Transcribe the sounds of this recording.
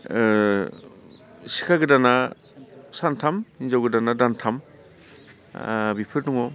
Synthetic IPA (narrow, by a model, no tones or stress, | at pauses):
si̥kʰaɡɯdana | santʰamhinzawɡɯdanadantʰam | bipʰɯɾduŋɔ